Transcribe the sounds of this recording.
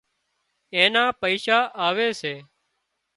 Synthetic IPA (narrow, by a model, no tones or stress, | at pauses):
eːnãːpəiːʃaːʔaːʋeːseː